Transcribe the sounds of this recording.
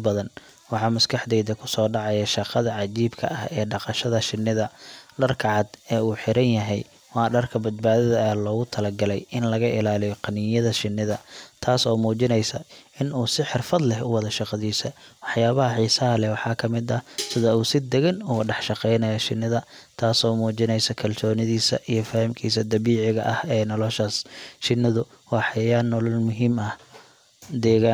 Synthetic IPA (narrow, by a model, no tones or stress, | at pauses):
bɐðɐn | wɑħɑmɐskʰɐħd̪ɛjd̪ɐkʰʊsɔːɖɑʕɑjɐʃɑqɑðɐʕɑd͡ʒiːbkʰɐ̰ʔɐhɛːɖɑqɑʃɐðɐʃɪnːɪðɐɖɐrkʰɐʕɑd̪ɛːuːħɪɾɐnjɐɦɛj | wɑːɖɐrkʰɐbɐd̪baːðɐðɐɐlɔːɣʊt̪ʰɐlɐɡɐlɛjɪnlɐɣɐʔɪlaːlɪjɔqɑnɪjɐðɐʃɪnːɪðɐt̪ʰaːsɔːmuːt͡ʃɪnɛjsɐɪnuːsɪħɪrfɐd̪lɛɦʊwɑðɐʃɑqɑðiːsɐwɑħjaːβɐɦɐħiːsɐɦɐlɛwɑħɑːkʰɐmɪd̪ɐsɪðɐuːsɪd̪ɛɣɛnuːɖɑħʃɑqɛjnɐjɐʃɪnːɪðɐt̪ʰaːsɔːmuːt͡ʃɪnɛjsɐkʰɐlsɔːnɪðiːsɐ̰ʔijɔfɐhɪmkʰiːsɐd̪ɐβiːʕɪɣɐ̰ʔɐhɛːnɔlɔʃasʃɪnːɪðʊ | wɑːħɑjaːnːɔlɐlmʊɦiːmɐh | d̪ɛːɣaːn